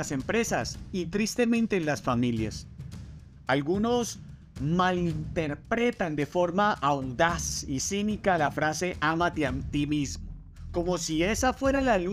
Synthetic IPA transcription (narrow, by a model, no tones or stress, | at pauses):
ase̞mpɾe̞sasit̪ɾist̪e̞mẽnt̪e̞nlasfamilja̰s | alɡuno̞s | malint̪e̞ɾpɾe̞t̪and̪e̞fo̞ɾmaʔaund̪asisinikalafɾase̞ʔamat̪eant̪imizmo | ko̞mo̞sie̞safwe̞ɾalalu